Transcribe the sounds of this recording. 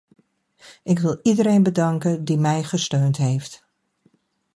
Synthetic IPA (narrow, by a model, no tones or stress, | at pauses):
ʔɪkʋɪlˠidəɾeːnbədɑŋkədimɛjχəstøːntɦeːft